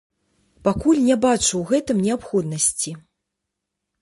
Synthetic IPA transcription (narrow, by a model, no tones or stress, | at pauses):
pakulʲnʲɛbat͡ʂuwɣɛt̪ɨmnʲɛapxɔd̪nɐsʲt͡sʲi